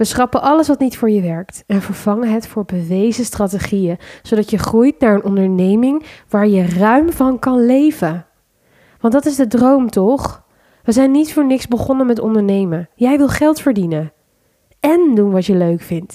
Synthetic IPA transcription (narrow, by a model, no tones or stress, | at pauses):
ʋəsχɑpəʔɑləsʋɑtnitfʊːɹjəʋɛɹktɛnvəɹv̥ɑŋənɦətfʊːɹbəʋejzəstraːteχijəzowdɑtjəχrujtnaːɹənɔndəɹnejmɪŋʋaːɹjərœɥmvɑnkɑnlejvə | ʋɑntdɑtɪzdədrowmtɔχ | ʋəzɛjnːitfʊːɹnɪksbəχɔnəmɛtɔ̰ndəɹnejməjɛjʋɪlˠχɛlˠtfəɹdinən | ɛndunʋɑtəløɥkfɪnt